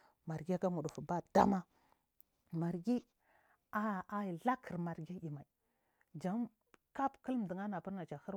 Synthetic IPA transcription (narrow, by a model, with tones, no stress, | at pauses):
ma˨ɾɡi˦a˦ka˦mu˨du˨fba˦d̥a˦ma˦ | ma˨ɾɡi˦ | a˦˨a˨˦i˨ɮa˦kʰə˨ɾma˨ɾɡi˦i˨ma˨i˨ | d͡ʒa˨˦m | ka˦pkə˦lm˨di˨ŋa˦na˨pə˦ɾna˨t͡ʃa˨hə˦ɾ